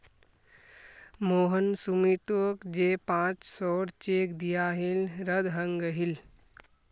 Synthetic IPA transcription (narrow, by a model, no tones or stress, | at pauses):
moːɦənsumit̪oːkd͡ʒeːpãːt͡ʃsɔːɽt͡ʃeːkd̪ijaɦilɾəd̪ɦəŋɡəɦil